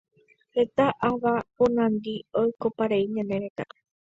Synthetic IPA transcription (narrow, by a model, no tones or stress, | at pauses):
het̪aʔaʋapõnãnd̪iojkopaɾeiɲãneɾet̪a